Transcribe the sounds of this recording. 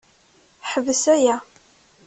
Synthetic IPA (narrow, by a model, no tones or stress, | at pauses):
ħəvəsæjæ